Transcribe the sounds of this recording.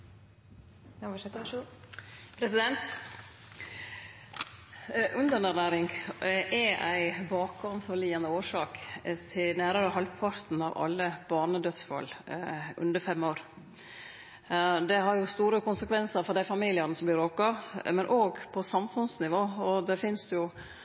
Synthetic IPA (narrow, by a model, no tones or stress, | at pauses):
pʰɾɛsɪd̪ɛnt̪ | ʔʉnd̪ənænæːɾɪŋʔɛʔæ̰ɪbɑːkɑmfɔɾliːənəoːʂɑːkt̪ʰɪlnæːɾɑɾəhɑlpʰɑɾt̪n̩ɑ̰ʋɑ̰lːəbɑːɳəd̪œt̪sfɑ̰lːʔʉ̰nd̪əɾfɛmːoːɾ | d̪ɛɦɑɾjʊst̪uːɾəkʊnsəkʰʋɛnsəɾfɔɾd̪æɪfɑmiːlɪənəsɔmblɪɾoːkɑmɛnʔoːɡpʰɔsɑmfʉnsnɪʋoːɔd̪ɛfɪnsd̪ɛjʊ